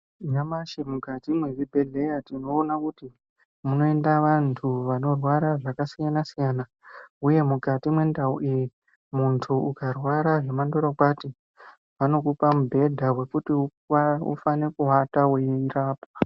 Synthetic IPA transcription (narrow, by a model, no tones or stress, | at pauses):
ɲamaʃemukatimweʋibʱe̞ɮe̞jatino̞ːnakuti | muno̞e̞ndaʋantʰuʋano̞rwaɾaʐakasijanasijana | uje̞mukatimwe̞ndauʔiji | muntʰuukarwaɾaʐe̞mando̞ɾokwati | ʋano̞k̬upamubʱe̞dʱawe̞kutiu | ṵfane̞kuɦataweiiraːpwa